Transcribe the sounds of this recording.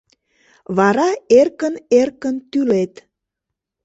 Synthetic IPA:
βɑɾɑerkənerkənt̪ylet̪

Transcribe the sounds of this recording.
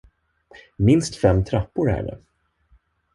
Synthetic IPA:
mɪnst̪fɛmːt̪ʰɾapːʊɾæ̰ɖɛ̰

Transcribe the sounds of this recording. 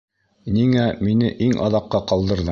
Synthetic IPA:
niŋæminɘʔiŋʔɑ̰ðɑqːɑqɑlˠd̪ɤ̆ɾðɤ

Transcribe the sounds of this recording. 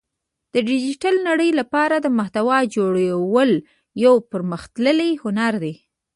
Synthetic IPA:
d̪̥əɖɪd͡ʒiʈalnaɽəjlapɑɾad̪əmaht̪awɑd͡ʒoɽawəl | jawpəɾməxt̪ləlejhʊnaɾd̪e

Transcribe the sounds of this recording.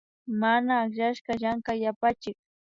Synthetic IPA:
manaːkʎaʃkaʎaŋkajapat͡ʃɪk̚

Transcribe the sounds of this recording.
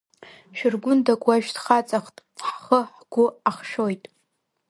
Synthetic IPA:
ʃᶣɪrɡʷʊndakʷʼaʒᶣdχat͡sʼaχtʼħχəħɡ̥ʷʊaχʃojtʼ

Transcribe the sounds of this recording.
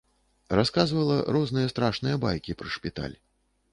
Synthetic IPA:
raskazvɐlˠɐɾɔznɨjɐst̪ɾaʂnɨjɐbajkʲipɾɨʂpʲit̪a̰lʲ

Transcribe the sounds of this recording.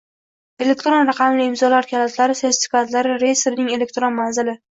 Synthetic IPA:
e̞le̞k̚ʲt̪ɾonɾɑqʰɑmlɪɪmzɒlaɾkʲʰalat̪laɾɪset̪ɪ̥tfɪ̥kʲat̪laɾɪɾe̞jst̪ɾnɪŋe̞le̞k̚ʲt̪ɾonmanzɪlɪ

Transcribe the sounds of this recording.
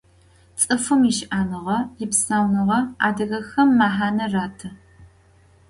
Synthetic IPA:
t͡sʼɨfɨmɪʃʔaːnɨʁɐjɪpsaːwnɨʁɐa̰ːdɐɣɐxɐmːaːħaːnɐraːtʰɐ

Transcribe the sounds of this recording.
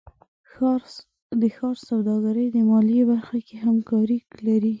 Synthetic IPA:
ɾ | d̪əxɑɾsawd̪ɑɡaɾəjd̪əmɑljibaɾxakeɦamkɑɾiklaɾi

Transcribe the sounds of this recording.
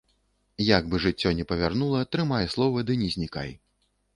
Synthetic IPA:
jaɡ̚bɨʐɨt͡sʲːɔnʲɛpɐvʲarnulˠɐt̪ɾɨmajslˠɔvɐd̪ɨnʲɛzʲnʲika̰j

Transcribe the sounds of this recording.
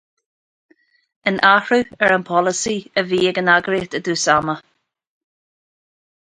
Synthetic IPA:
ənʔahɹuɛɹənpʰɔləsiəviːəɡənaɡɾit̪əd̪uːsamə

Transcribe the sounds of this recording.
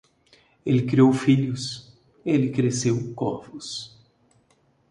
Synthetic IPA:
elɪkɾiowfiʎʊs | ɪelɪkɾesewkɔvʊs

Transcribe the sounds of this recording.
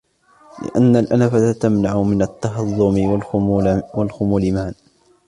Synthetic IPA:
lɪ̰ʔanːalʔanafatat̪amnaʕʊmɪnat̪ːɑɦɑðˤːʊmɪ | walxʊmulɪmaʕan

